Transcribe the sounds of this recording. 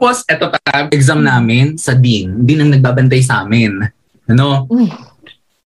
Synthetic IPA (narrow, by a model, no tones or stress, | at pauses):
aposʔɛt̪op̪ɐaʔɛɡzɐmnaːmɪnsɐd̪ind̪ɪnɐŋnɐɡ̚baːbɐnt̪̬ajs̬ɐʔa̰ːmɪn | ʔɐno̞